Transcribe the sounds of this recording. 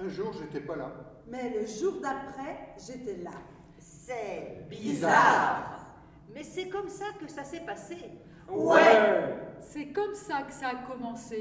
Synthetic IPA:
ɛ̃ʒuːʁʒet̪ɛpala | mɛləʒuʁd̪apχɛʒet̪ɛla | sɛbizaʁ | mɛsɛkɔmsakəsasɛpase | wɛ | sɛkɔmsakə̥saːkɔmɑ̃se

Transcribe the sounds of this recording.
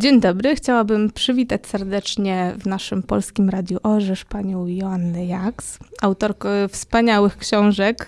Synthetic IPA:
d͡ʑeɲd̪ɔbɾɘxt͡ɕawabɘmpʂɘvʲit̪at͡ɕsɛɾd̪ɛt͡ʂɲɛvnaʂɘmpɔ̰lskʲimɾad̪ʲjuʔɔʐɛʂpaɲɔ̃w̃jɔanːɛjaksawt̪ɔɾkfspaɲawɘxkɕɔ̃w̃ʐɛk

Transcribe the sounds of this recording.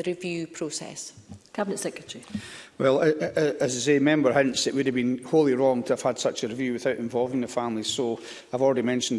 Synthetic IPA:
əɹɪvjʉːpʰɹ̥osɛ̰skʰabɪnətsɛkɹətəɹiwɛlˠəəzsemɛ̃mbə˞ɦʌ̃nsɪʔwɨdəvbĩnholˠiɹɔ̃ŋtʰəəv̥əd̥sʌt͡ʃəɹɪvjʉːwɪθaʊʔɪ̃ɱvɔlˠvɪ̃ŋðəfãmlˠiso | aɪvɔlˠɹɛɾimɛ̃nʃə̃n̩

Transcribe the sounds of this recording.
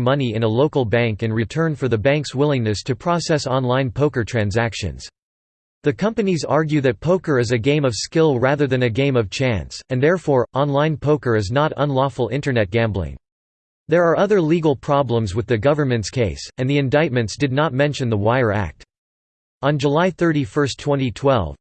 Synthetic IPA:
mʌniɨ̃nəloʊkl̩ˠbæ̃ŋkɨ̃nɹitʰɜ̃˞nfə˞ðɨbæ̃ŋkswɪlˠɪ̃ŋnɨstʰɨpʰɹ̥ɔsɛsɑ̃nlãɪ̃npʰoʊkə˞tʰɹ̥æ̃nzækʃɨ̰̃nz̥ | ðɨkʰʌ̃mpɨnizɑɹɡjʉðɨt̚pʰoʊkə˞ɨzɨɡẽɪ̃mʌv̥skɪlˠɹæðə˞ðɨ̃nɨɡẽɪ̃mʌv̥t͡ʃʰæ̃nsɨ̃nðɛɹfɔɹʔɑ̃nlãɪ̃npʰoʊkə˞ɨznəɾə̰̃nlɔfl̩ˠɪ̃ntə˞nɛt̚ɡ̥æ̃mblɪ̰̃ŋ | ðə˞ːʔʌðə˞liɡl̩ˠpʰɹ̥ɑblə̃mzwɨðɨɡʌvə˞mɨ̃ntskʰeɪsɨ̃nðiɨ̃ndaɪt̚mɨ̃ntsd̥ɨdⁿnət̚mɛ̃nʃɨ̃nðəwaɪə˞æ̰k̚t | ʔə̃nd͡ʒəlaɪθɜ˞ɾifɜ˞stʰw̥ɛ̃ñitʰw̥ɛ̰lˠv

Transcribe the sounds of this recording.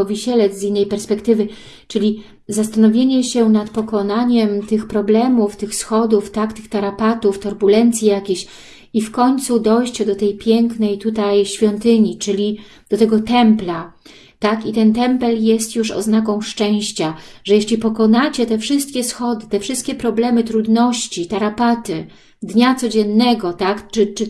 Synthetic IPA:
ɔvʲiɕɛlɛzinːɛjpɛɾspɛkt̪ɘvɘ | t͡ʂɘlʲi | zast̪anɔvʲjeɲɛɕɛnat̪pɔkɔnaɲɛmt̪ɘxpɾɔblɛmuft̪ɘxsxɔd̪uft̪akt̪ɘxt̪aɾapat̪uft̪ɔɾbulɛnt̪sʲjijakʲeɕ | ifkɔɲt̪sud̪ɔjɕt͡ɕɛd̪ɔt̪ɛjpʲjɛŋknɛjt̪ut̪ajɕfʲjɔnt̪ɘɲit͡ʂɘlʲi | d̪̥ɔt̪ɛɡɔt̪ɛmpla | t̪akit̪ɛnt̪ɛmpɛljɛst̪juʂɔ̰znakɔ̃w̃ʂt͡ʂɛ̃w̃ɕt͡ɕaʐɛjeɕlʲipɔkɔnat͡ɕɛt̪ɛfʂɘst̪kʲɛsxɔd̪ɘt̪ɛfʂɘst̪kʲɛpɾɔblɛmɘt̪ɾud̪nɔɕt͡ɕit̪aɾapat̪ɘ | d̪ɲat̪sɔd͡ʑɛnːɛɡɔt̪akt͡ʂɘt͡ʂɘ

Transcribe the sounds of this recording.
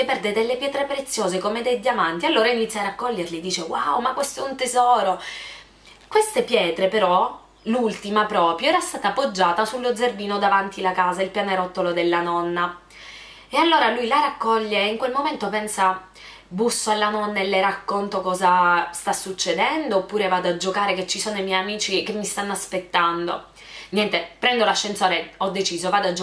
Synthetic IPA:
epɛrd̪ed̪elːepjɛːt̪ɾepɾet̪sːjoːzekomed̪ejd̪jamant̪ialːoːɾainit̪sːjarakːɔʎːerlid̪iːt͡ʃewaomakwest̪oɛunt̪ezɔːɾo | kwest̪epjɛːt̪ɾepeɾɔ | lult̪imapɾɔːpɾjoɛːɾast̪aːt̪apːod͡ʒːaːt̪asulːod̪zerbiːnod̪avant̪ilakaːzailpjaneɾɔt̪ːolod̪elːanɔnːa | ealːoːɾalujlaɾakːɔʎːeiŋkwelmoment̪opɛnsa | busːoalːanɔnːaelːeɾakːont̪okɔːzast̪asːut͡ʃːed̪ɛnd̪oːpːuːɾevaːd̪oad͡ʒːokaːɾeket͡ʃːisoːnoimɛjamiːt͡ʃikemːist̪anːoaspet̪ːand̪o̰ | njɛnt̪epɾɛnd̪olaʃːensoːɾeɔd̪ːet͡ʃiːzovaːd̪oad͡ʒ

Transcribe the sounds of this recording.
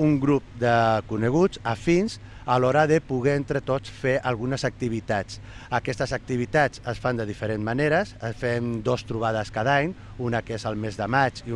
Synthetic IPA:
uŋɡɾup̚d̪əkuneɣuzafinz | alɔɾəðəpuɣɛent̪ɾət̪ot͡sfeʔalˠɣunəzək̚t̪iβ̞it̪at͡s | əkɛst̪əzək̚t̪iβit̪at͡səsfand̪əð̞ifəɾenzmaneɾəsəfɛmd̪ost̪ɾuβ̞að̞əskaðaɲ | unəkezəlˠmezðəmat͡ʃi

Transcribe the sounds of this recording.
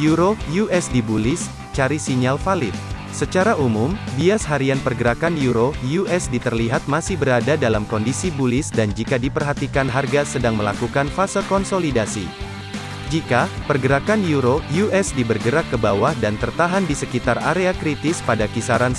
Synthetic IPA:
juɾojuʔɛsdibulɪs | t͡ʃaɾisiɲalfalɪt̪̚ | sət͡ʃaɾaʔumʊmbiasɦaɾianpərɡəɾakanjuɾojuʔɛsdit̪ərliɦat̪̚masɪhbəɾadadalamkɔndisibulɪsdand͡ʒikadipərɦat̪ikanɦarɡasədaŋməla̰kukanfasəkɔnsolidasḭ | d͡ʒikapərɡəɾakanjuɾojuʔɛsdibərɡəɾakːəbawahdant̪ərt̪aɦandisəkit̪araɾeakɾit̪ɪspadakisaɾan

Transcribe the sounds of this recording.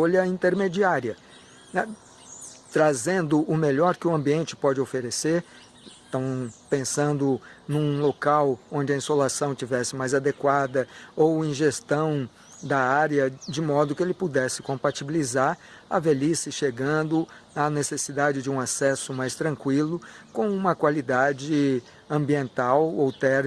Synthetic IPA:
oʎɐĩnt̪eɾmed͡ʒiaɾiɐ | ɛ | t̪ɾazẽnd̪ʊʔʊmeʎɔɾkɪʊɐ̃mbiẽnt͡ʃɪ̥pɔd͡ʒɪofeɾeseɾ | t̪ɐ̃w̃pẽsɐ̃nd̪ʊnũlokawõd͡ʒɪɐĩsolasɐ̃w̃t͡ʃivɛsɪmajzad̪ekwad̪ɐowẽj̃ʒest̪ɐ̃w̃ | d̪ɐaɾjɐd͡ʒɪmɔd̪ʊkɪelɪpud̪ɛsɪ̥kõpat͡ʃibilizaɾ | ɐ̰velisɪʃeɡɐ̃nd̪ʊ | ɐnesesid̪ad͡ʒɪd͡ʒɪũasɛsʊmajst̪ɾɐ̃ŋkwilʊkõw̃ũmɐkwalid̪ad͡ʒɪ | ɐ̃mbiẽnt̪awowt̪ɛɾ

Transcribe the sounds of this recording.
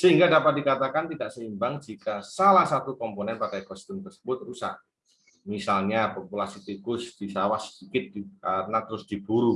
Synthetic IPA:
səɦiŋɡadapat̪̚dikat̪akant̪idaʔsəimbaŋd͡ʒikasalahsat̪ukɔmponɛnpadajkɔst̪ʊmt̪ərsəbʊt̪̚rusa̰h | misalɲapopulasit̪ikʊsd̥isawahsəd̥ikɪt̪̚kaɾənat̪əɾʊsd̥ib̥uɾu

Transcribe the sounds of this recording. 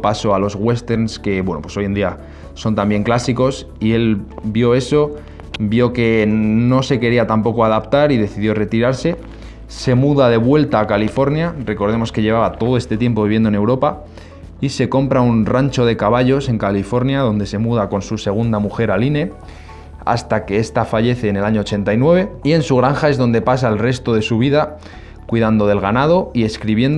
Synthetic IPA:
paso̞alo̞zɣwe̞st̪e̞ɾnske̞βwe̞nopwe̞so̞je̞nd̪ia | so̞nt̪ambje̞ŋklasiko̞s | ie̞lbjo̞e̞so̞ | bjo̞ke̞no̞se̞ke̞ɾiat̪ampo̞ko̞aðapt̪aɾiðe̞θiðjo̞re̞t̪iɾaɾse̞ | se̞muðaðe̞βwe̞lt̪aːkalifo̞ɾnjare̞ko̞ɾðe̞mo̞ske̞ʎe̞βaβat̪o̞ðo̞e̞st̪e̞t̪je̞mp̬o̞βiβje̞nd̪oene̞wɾo̞pa | ise̞ko̞mpɾaunrant͡ʃo̞ð̞e̞kaβaʎo̞se̞ŋkalifo̞ɾnjaðo̞nd̪e̞se̞muðako̞nsuse̞ɣ̞und̪amuxe̞ɾaline̞ | a̰st̪ake̞est̪afaʝe̞θe̞ːne̞laɲo̞ːt͡ʃe̞nt̪ajnwe̞βe̞ie̞nsuɣ̞ɾaŋxae̞zðo̞nd̪e̞pasaelre̞st̪o̞ð̞e̞suβ̞iða | kwiðand̪o̞ðe̞lɣanað̞o̞ie̞skɾiβje̞nd̪

